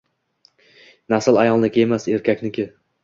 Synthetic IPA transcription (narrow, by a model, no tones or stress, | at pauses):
nasɪlˠajɒlˠnɪkʲe̞mase̞ɾkʲʰakʲnɪkʲɪ